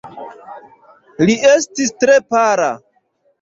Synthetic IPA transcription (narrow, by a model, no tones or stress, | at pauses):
liestistɾe̞paɾa̰